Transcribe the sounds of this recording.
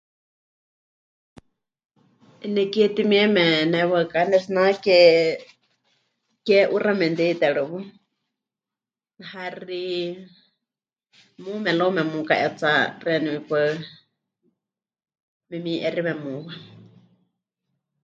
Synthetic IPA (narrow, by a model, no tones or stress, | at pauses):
ɛnɛkɛt̪imiɛmɛnɛwəkanɛsnakɛ | kɛʔuramɛnd̪et̪ɛɺɨwɨ | hari | mumɛlomɛmuka̰ʔɛt͡sarɛnɛwipə | mɛmiʔɛrimɛmuwa